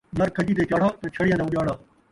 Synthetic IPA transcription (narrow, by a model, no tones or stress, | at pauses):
nɐɾkʰɐd͡ʒiːt̪̬eːt͡ʃaːɽ̤aːt̪ɐt͡ʃʰɐɽɪjãːd̪aːʊʄaːɽaː